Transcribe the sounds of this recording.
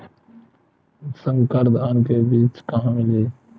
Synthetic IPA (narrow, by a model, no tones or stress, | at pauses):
sə̃ŋɡkəɾd̪aːnkeːbiːt͡ʃkəɦãːmɪleː